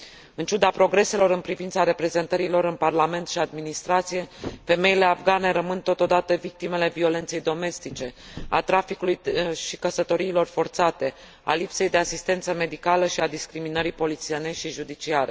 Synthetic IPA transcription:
ɨnt͡ʃud̪apɾo̞ɡɾe̞se̞lo̞ɾɨnpɾivint̪saɾe̞pɾe̞ze̞nt̪əɾilo̞ɾɨnparlame̞nt̪ʃiad̪minist̪ɾat̪sije̞fe̞me̞ile̞avɡane̞ɾəmɨnt̪o̞t̪o̞d̪at̪əvik̚t̪ime̞le̞vio̞le̞nt̪se̞jd̪o̞me̞st̪it͡ʃe̞a̰t̪ɾafikulujʃikəsət̪o̞ɾiːlo̞rfo̞rt̪sat̪e̞ | a̰lipse̞jd̪e̞asist̪e̞nt̪səme̞d̪ikaləʃiad̪iskɾiminəɾipo̞lit̪sieneʃiʒud̪it͡ʃiaɾe

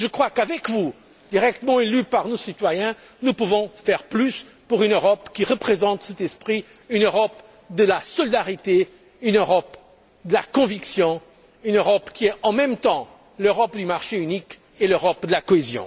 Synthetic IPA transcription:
ʒəkχwakavɛkvu | d̪̥iʁɛk̚t̪əmɑ̃elypaʁnosit̪wajɛ̃ | nupuvɔ̃fɛʁplys | puʁynøʁɔpkʲiʁəpχezɑ̃t̪sɛt̪ɛspχi | ynøʁɔp | d̪əlasɔlid̪aʁit̪e | ynøʁɔp | d̪əlakɔ̃viksjɔ̃ | ynøʁɔpkʲiɛɑ̃mɛmt̪ɑ̃ | løʁɔpd̪ymaʁʃeynik | eløʁɔpd̪əlakɔezjɔ̰̃

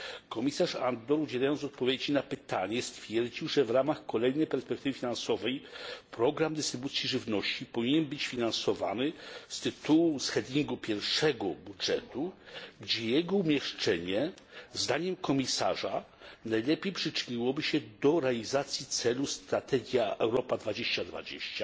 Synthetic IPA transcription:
kɔmʲisaʂa̰nd̪ɔɾud͡ʑɛlajɔnɔt̪̚pɔvʲjed͡ʑinapɘt̪aɲɛst̪fʲjɛɾd͡ʑiwʐɛvɾamaxkɔlɛjnɛjpɛɾspɛk̚t̪ɘvɘfʲinansɔvɛjpɾɔɡɾamd̪ɘst̪ɾɘbut̪sʲjiʐɘvnɔɕt͡ɕipɔvʲiɲɛnbɘt͡ɕfʲinansɔva̰nɘst̪ɘt̪uwusxɛd̪ʲiŋɡupʲjɛɾfʂɛɡɔbudʐɛt̪uɡd͡ʑɛjɛɡɔumʲjɛʂt͡ʂɛɲɛ | zd̪aɲɛmkɔmʲisa̰ʐa | najlɛpʲejpʂɘt͡ʂɘɲiwɔbɘɕɛd̪ɔɾɛalʲizat̪sʲjit̪sɛlust̪ɾat̪ɛɡʲjaʔɛwɾɔpad̪vad͡ʑeɕt͡ɕad̪va̰d͡ʑḛɕt͡ɕa

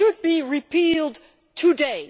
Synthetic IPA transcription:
ɨd̚biɹipʰilˠd | tʰɨdeɪ

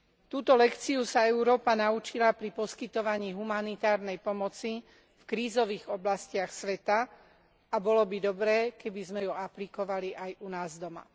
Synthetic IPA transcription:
t̪uːt̪ɔlɛkt͡siusaɛʊɾɔːpanaut͡ʃilapɾipɔskit̪ɔʋaɲiːɦumanit̪aːɾnɛjpɔmɔt͡si | fkɾiːzɔʋiːɣɔblascɪaxsʋɛt̪a | abɔlɔbid̪ɔbɾɛːkɛbizmɛjuaplikɔʋaliʔajunaːzd̪ɔma̰

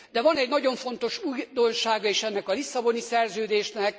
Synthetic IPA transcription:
d̪ɛvɒnɛɟnɒɟo̞ɱfo̞nt̪o̞ʃuːjd̪o̞nʃaːɡɒeːʃɛnːɛkɒlisːɒbo̞nisɛrzøːd̪eːʃnɛk̚

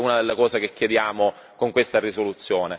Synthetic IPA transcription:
unad̪elːakɔːzakekːjed̪jaːmo | koŋkwest̪arisolut̪sːjoːne

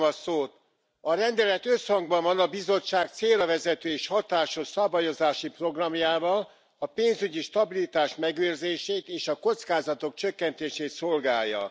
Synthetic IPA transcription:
ɒsoːt̪ | ɒɾɛnd̪ɛlɛt̪ø̞shɒŋɡbɒɱvɒnɒbizo̞t͡ʃːaːk̚t̪seːrɒvɛzɛt̪øːeːʃhɒt̪aːʃho̞ʃsɒbajo̞zaːʃipro̞ɡrɒmjaːvɒl | ɒpeːnzyɟiʃt̪ɒbilit̪aːʃmɛɡøːrzeːʃeːt̪eːʃɒko̞t̪skaːzɒt̪o̞k̚t͡ʃø̞kːɛnt̪eːʃeːt̪so̞lɡaːjːɒ̰

